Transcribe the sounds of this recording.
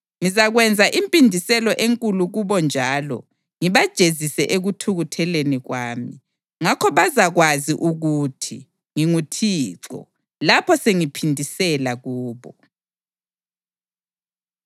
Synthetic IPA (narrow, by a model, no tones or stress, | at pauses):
ŋizaɣwɛnd͡zʱaʔimpʼindʱisɛlɔʔeŋkʼuluɣuβɔnd͡ʒʱaːlɔ̰ | ŋiβad̥ʒ̥ʱezisɛʔeɣutʰuɣutʰɛleniɣwaːmi | ŋakʰɔβazaɣwaziʔuɣuːtʰi | ŋiŋutʰiːǁɔ̰ | lapʰɔseŋipʰindʱisɛlaɣuːβɔ